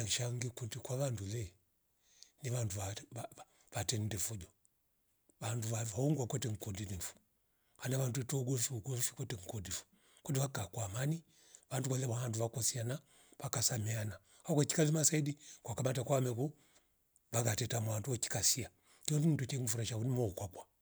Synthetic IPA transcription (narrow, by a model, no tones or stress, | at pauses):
aŋʃaŋɡikutikwaʋandulɛ | niʋandua | ʋatɛndɛfud͡ʒɔ | ʋanduahauŋɡwakwɛtɛŋ̩kɔdinifu̥ | hanaʋanduɛtɔuɡɔfiuɡɔfikwɛtɛŋ̩kɔdifu̥ | kwɛndiʋakakwamani | ʋandukalɛmahanduʋakɔsiana | ʋakasamɛana | hakɛki̥kalimasaidikwakamatakwamɛku | ʋakatɛtamwanduɔki̥kasia | kiɔnindɔt͡ʃɛŋ̩fuɾaʃaunimɔukwakwa